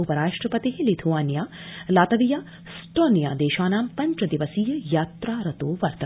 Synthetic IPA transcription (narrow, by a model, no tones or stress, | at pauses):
upɐɾaːʂʈɾɐpɐt̪iɦelit̪ʰuʋaːnjaːlaːt̪ɐʋijaː | sʈoːnija̰ːd̪eːʃaːnaːmpɐɲt͡ʃɐd̪iʋɐsiːjɐjaːt̪ɾaːɾɐt̪oːʋɐɾt̪ɐ